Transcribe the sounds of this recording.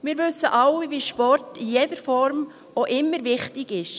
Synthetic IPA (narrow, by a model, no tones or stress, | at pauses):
mɪːɾʋʏsːəʔɑwiviːʃpɔrtijɛdəɾfɔɾm | ʔoʔɪmːəɾvɪχtɪɡɪʃ